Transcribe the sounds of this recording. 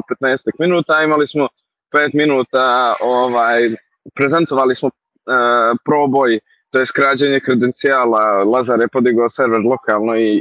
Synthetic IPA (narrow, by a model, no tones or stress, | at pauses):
pe̞t̪neːst̪akminuːt̪aːimalismo | peːt̪minuːt̪aoʋaːj | pɾezent̪oʋalismo | pɾo̞ːboj | t̪ojeskɾaːd͡ʑeɲekɾed̪ent̪siaːlalˠazaːɾjepod̪iɡoːseɾʋeɾlˠo̞kaːlˠnoi